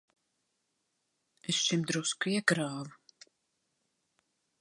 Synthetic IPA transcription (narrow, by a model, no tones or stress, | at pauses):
esʃimd̪ɾuskuiɛkɾaːvu